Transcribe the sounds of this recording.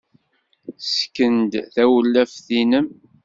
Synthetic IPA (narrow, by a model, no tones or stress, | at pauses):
skːənd̪θæwəlːæfθinəm